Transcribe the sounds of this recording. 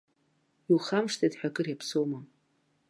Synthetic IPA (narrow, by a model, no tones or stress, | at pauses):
ilχamʂtʰadħʷᶣaɡʼɨrjapʰsowma